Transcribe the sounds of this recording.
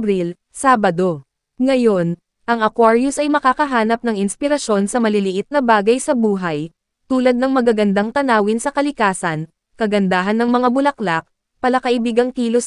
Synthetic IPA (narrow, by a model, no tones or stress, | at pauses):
bɾil | saːbɐd̪o̞ | ŋɐjo̞n | ʔɐŋɐkwaɹjʊsʔɐjmɐkakɐɦaːnɐp̚nɐŋɪnspɪɾɐʃo̞nsɐmɐlɪlɪʔɪt̪̚nɐbaːɡɐjsɐbuːɦɐj | t̪uːlɐd̪̚nɐŋmɐɡaɡɐnd̪aŋt̪ɐnaːwɪnsɐkɐlɪkaːsɐn | kɐɡɐnd̪aːɦɐnːɐŋmɐŋabʊlɐklak̚ | pɐlɐkɐʔɪbiːɡɐŋk̪iːlos